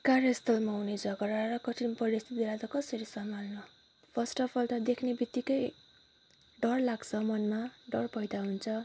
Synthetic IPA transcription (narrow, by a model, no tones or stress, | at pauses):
karjʌst̪ʌlmauned͡zʌɡʌɾarʌkʌʈʰinpʌɾist̪ʰit̪elat̪ʌkʌsʌɾisʌmalnʌ | pʰʌsʈʌpʰʌlʈʌd̪ekʰnebit̪ːikʌj | ɖʌrlaɡt͡sʰʌmʌnmaɖʌrpʌjd̪aɦunt͡sʰʌ